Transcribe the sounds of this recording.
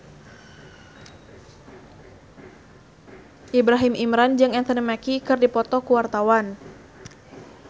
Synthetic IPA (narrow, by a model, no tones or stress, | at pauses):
ʔibɾaɦimimɾand͡ʒɨŋɛnt̪ənəmakikɨrdipɔt̪ɔkuwart̪awan